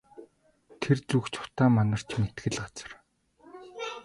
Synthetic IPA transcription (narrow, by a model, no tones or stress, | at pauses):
t̪ʰert͡sukt͡ɕʰʊ̥t̪aːmanə̆r̥t͡ɕmet̪ɡɘ̆ɮɢat͡sə̆r